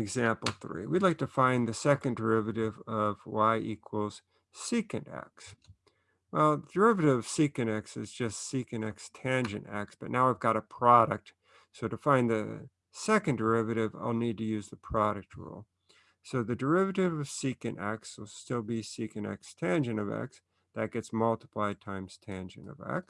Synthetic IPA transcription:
ɨɡzæ̃mpl̩ˠθɹḭwidˡlaɪk̚tʰɨfãɪ̃nðɨsɛkɨ̃ndə˞ɪvɨɾɪvʌvwaɪʔikʰwəl̩ˠz̥ | sikɨ̃næ̰ks | wɛlˠðədə˞ɪvɨɾɨvʌv̥sikɨ̃nɛksɨ̰zd͡ʒʌstsikɨ̃nɛkstʰæ̃nd͡ʒɨ̰̃ntæ̰k̚sb̥ʌtⁿnaʊaɪvɡɑɾəpʰɹ̥ɑɾɨ̰k̚t̚ | soʊɾɨfãɪ̃nðɨ̰ | sɛkɨ̃ndə˞ɪvɨɾɪva̰ɪlˠnid̚tɨjʉzðəpʰɹ̥ɑɾɨk̚t̚ʰɹṵlˠ | soʊðɨdə˞ɪvɨɾɪvʌv̥sikɨ̃næk̚swəlˠstɪlˠbisikɨ̃ndæ̰kstʰæ̃nd͡ʒɨ̃nʌvæ̰ks | ðɨt̚ɡ̥ɛtsmʌlˠtə̥pʰl̥aɪd̚tʰãɪ̃mz̥tʰæ̃nd͡ʒɨ̰̃nʌ̰væ̰k̚s

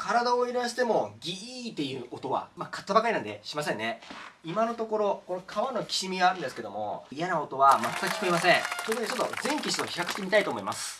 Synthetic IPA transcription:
kaɾad̪aoeɾaɕi̥t̪e̞mo̞ɡʲiiːt̪ːe̞jɯ̟ot̪o̞βa̰makʰḁt̪ːabakaɾʲinãnd̪e̞ɕimasẽnːeimano̞t̪o̞ko̞ɾo̞ko̞nokʰaβano̞kʲi̥ɕimʲiaɾɯ̃nd̪esɨ̥ke̞d̪o̞mo̞̰ijanaot̪o̞βamat̪ːakʲːiko̞imasẽŋt̪ozokit͡ɕo̞t̪ːo̞zẽ̞ŋkʲiɕi̥t̪oçi̥hakɯ̥t̪ːemit̪ait̪oːmo̞imasɨ̥

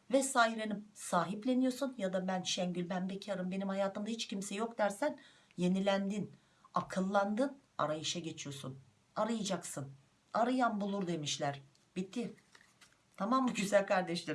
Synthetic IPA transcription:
vɛsajɾenimsaːɦiplʲe̞nijo̞sunjad̪abænʃɛɲɟylʲbænbecʰiaɾɯmbe̞nimhajaːt̪ɯmd̪ahit͡ʃcimsɛjo̞kd̪æɾsæn | je̞nilʲænd̪in | akʰɯlˠːand̪ɯna̰ɾajɯʃaɟe̞t͡ʃʰijo̞sun | aɾɯjad͡ʒaksɯn | aɾɯjanbulˠuɾd̪e̞miʃlʲæɾ̥ | b̥it̪ʰːi | t̪ʰamambuɟyzælʲkʰaɾd̪ɛʃlʲe

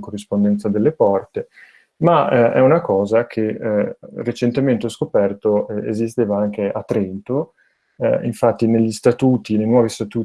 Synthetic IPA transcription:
korːispond̪ɛnt̪sad̪elːepɔrt̪e | maɛunakɔːzakʰe | ret͡ʃent̪ement̪eɔskopɛrt̪oɛḛzist̪eːvaaŋk̟eʔat̪ːɾɛnt̪o | iɱfat̪ːineʎːist̪at̪uːt̪inejnwɔːvist̪at̪uː

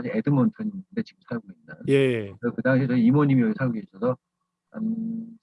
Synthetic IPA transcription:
ad͡ʑiedɯmʌntʰʌɲindet͡ɕiɡɯmsʰaɡoinːajesʰʌkɯdaŋɕʰit͡ɕʌiimʌɲimiʌkʰesʰaɭɡoɡes͈ʰʌsʰʌ | a̰n

